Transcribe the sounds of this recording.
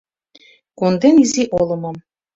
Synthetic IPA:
kond̪eniziʔolˠɤ̆mɑm

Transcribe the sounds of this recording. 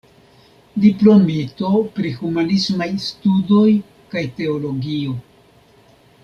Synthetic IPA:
diplo̞mito̞pɾihumanismajstudo̞j | kajte̞olo̞ɡio̞

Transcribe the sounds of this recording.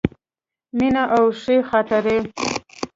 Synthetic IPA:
minaʔawʂexat̪aɾe

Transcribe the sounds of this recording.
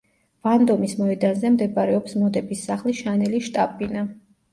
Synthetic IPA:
v̥and̪ɔmismɔɛd̪anzɛmd̪ɛbaɾɛɔpsmɔd̪ɛbisːaχliʃanɛliʃt̪ʼapʼina

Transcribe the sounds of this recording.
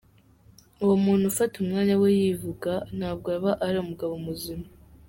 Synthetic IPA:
uwomuːn̥hufatumŋaːɲawejivuɡan̥haːb̚ɡoβaʔaɾomuɡaβomuzima

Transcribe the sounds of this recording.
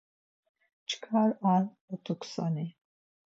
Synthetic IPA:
t͡ʃʰkʰaɾal | ɔt̪ʰukʷʰsani

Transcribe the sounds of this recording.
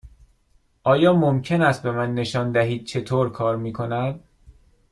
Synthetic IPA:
ʔɒːjɒːmomcʰe̞næst̪̚be̞mænːe̞ʃɒːnd̪æɦiːd̪̥̚t͡ʃʰe̞t̪ʰoːɾkʰɒːɾmiːkʰo̞næd̪̥

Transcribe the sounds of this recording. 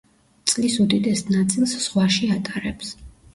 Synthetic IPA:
t̪sʼlisud̪id̪ɛsnat̪sʼilˠsz̥ʁwaʃiat̪ʼaɾɛps

